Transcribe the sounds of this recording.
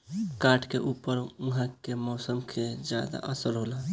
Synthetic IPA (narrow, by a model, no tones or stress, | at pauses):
kaːʈʰkeʔupəɾuɦãkemɔːsəmkʰed͡ʒja̰d̪a̰ʔəsəɾɦola